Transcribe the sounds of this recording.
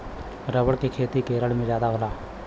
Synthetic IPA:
ɾəbəɽkekʰeːt̪ikeːɾəɽmẽd͡ʒjaːd̪aːɦʊːlaː

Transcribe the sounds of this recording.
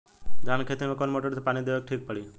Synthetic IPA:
d͡ʒaːnkʰet̪iɾmẽkonmoʈəɾt̪epaːñid̪eʋek̚ʈʰiːk̚pəɽi

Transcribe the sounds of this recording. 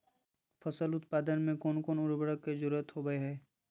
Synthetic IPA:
fɐsəlʊt̪paːd̪ənmẽkoːnkoːnʊɾbəɽəkːed͡ʒʊɾuət̪ɦoːɡəeɦɛː

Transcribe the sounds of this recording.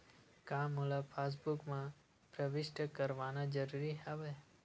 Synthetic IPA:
kãmulapʰas̬bukmã | pɾəʋɪʃʈəkəɾʋanãd͡ʒəɾuɾiaʋe

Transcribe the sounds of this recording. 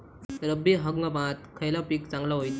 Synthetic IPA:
ɾəbʱiɦəɡɡapãt̪kʰəjlapiːkt͡sãŋɡlaɦojt̪

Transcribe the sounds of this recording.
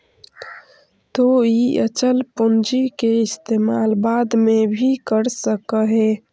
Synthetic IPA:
t̪oiət͡ʃəlpond͡ʒikeist̪emalbad̪mebʱikəɾsəkəɦe

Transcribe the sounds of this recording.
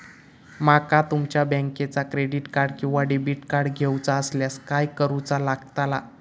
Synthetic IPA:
makat̪umt͡ɕjabə̃ŋket͡sakɾeɖiʈkaɾɽkĩw̃ʋaɖibiʈkaɾɽɡʱewt͡saəsljaskajkəɾut͡salaɡt̪ala

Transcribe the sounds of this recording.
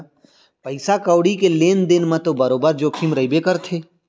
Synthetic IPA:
pəɪsakəʊɽikeleːnd̪ɪnmãt̪obəɾoːbəɾd͡ʒoːkʰimɾəibekəɾt̪ʰeː

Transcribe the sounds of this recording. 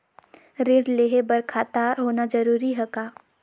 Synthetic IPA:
ɾɪɽleːɦebɐɾkʰaːt̪aɦoːnad͡ʒɐɾuːɾiɦɐkaː

